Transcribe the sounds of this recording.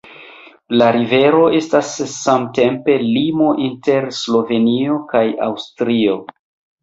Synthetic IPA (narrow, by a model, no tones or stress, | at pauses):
laɾive̞ɾo̞e̞stasːamte̞mpe̞limo̞ʔinte̞ɾslo̞ve̞nio̞kaja̰wstɾio̞